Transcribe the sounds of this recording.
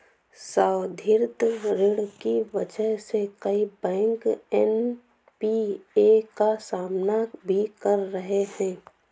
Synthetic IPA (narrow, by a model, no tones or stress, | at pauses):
saːwd̪ʱɪɾt̪ɾɪɽkiʋɐd͡ʒəɦsekɐibɛ̃ːŋkɛn | piekasaːmnabʱikɐɾːəɦeɦɛ̃ː